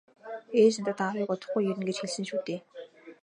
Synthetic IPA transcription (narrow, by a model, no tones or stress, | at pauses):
eːt͡ɕ̆nt̪ə̆t̪awiːkʊt̪ə̆χɡujːɵɾɘ̆nɡet͡ɕxeɮsɘ̆ŋʃuːt̪eː